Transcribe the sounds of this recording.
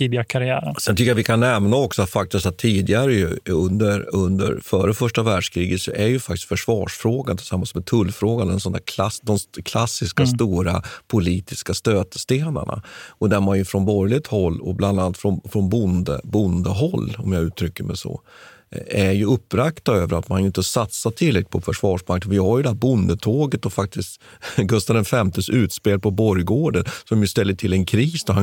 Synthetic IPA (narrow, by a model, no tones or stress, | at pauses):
iːbɪakʰaɾɪæ̰ːɾəsɛnt̪ʏkːəjavɪkʰanːɛmnaɔksɔat̪fak̚t̪ɪst̪at̪ʰːiːd̪ɪɡaɾəjɵ̰ɵnd̪əɾɵnd̪ə̰ɾfœːɾəfœʂʈavæːɖʂkʰɾiːɡət̪sɔæɾjɵfakt̪ɪ̥st̪fœʂvɑːʂfɾoːɡant̪ʰɪlsamːalsmɛt̪ʰɵlːfɾoːɡand̪ɛnsɔnd̪æɾkʰlasd̪ɔmkʰlasːɪskast̪uːɾa̰pʰʊliːt̪ɪskast̪øːt̪əst̪eːna̰ɳa̰ɔd̪æɾmanjɵfɾɔnbɔɾjlɪt̪hɔlːɔ̰bland̪aalt̪fɾɔnfɾɔnbʊnd̪ə̰bʊnd̪əɦɔlːɔmjɑʉ̟ːt̪ʰɾʏkːəmɛ̰sɔ̰ | æɾjɵɵpːɾakt̪aøːvəɾat̪manjʏɪnt̪əsat̪sat̪ʰɪlːɾɛk̪̚ɪ̥pʰɔfœʂvɑːʂmak̚t̪ənvɪhaɾjɵd̪ɛɦæːɾbʊnd̪ət̪ʰoːɡət̪̚d̪ɔfak̚t̪ɪst̪ | ɡɵst̪ad̪ɛnfɛmt̪əsʉ̟ːt̪speːl̚pʰɔbɔɾjɡoːɖənsɔmjɵst̪ɛlːəʈʰɪlːɛnkʰɾiːsd̪ɔɦa